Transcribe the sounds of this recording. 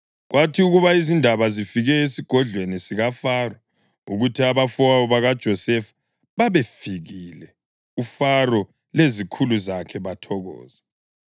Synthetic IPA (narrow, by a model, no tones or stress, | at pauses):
ɣwʔatʰiuɣuβaizindʱaβazifiɣɛesiɡ̥ʱɔɮʱwenisiɣafarɔ | ṵɣutʰiaβafɔaɔβaɣad̥ʒ̥ʱɔsɛfḁ | βaβefiɣilɛ | ufarɔ | lezikʰuluzakʰɛβatʰɔɣɔ̰ːz̥ɛ